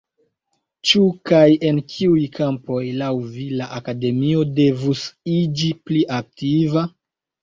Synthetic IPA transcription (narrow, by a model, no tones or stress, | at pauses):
t͡ʃukaje̞nkʰiujkʰampo̞jlawvilaʔakade̞mio̞de̞vusid͡ʒipliʔak̚tiva